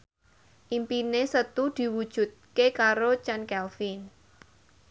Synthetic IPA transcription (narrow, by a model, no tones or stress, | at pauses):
ʔimpinesət̪ud̪̥i̤wud̥ʒ̥ṳt̪̚kekaɾot͡ʃankɛlfin